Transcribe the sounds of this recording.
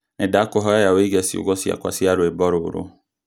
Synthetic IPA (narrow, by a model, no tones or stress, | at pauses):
nɛdakɔɦɔjajaweɡɛsiṵɡɔsia̰kʷa̰siaɾʊebɔɾʊɾʊ̰